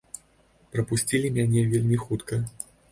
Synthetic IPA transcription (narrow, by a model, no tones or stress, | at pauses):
pɾɐpusʲt͡sʲilʲimʲanʲɛvʲelʲmʲixut̪kɐ